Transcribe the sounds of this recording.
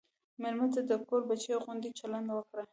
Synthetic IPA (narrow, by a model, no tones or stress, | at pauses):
meɾmat͡sad̪əkoɾbat͡ʃeɣund̪it͡ʃaland̪wəkɽa